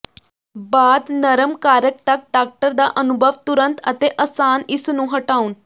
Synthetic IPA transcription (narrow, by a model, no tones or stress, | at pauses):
bad̪nəɾəmkaɾək̚t̪ak̚ɖak̚ʈəɾd̪aʔənubʱəʋt̪uɾənt̪ət̪eʔəsanisunũːɦəʈauːn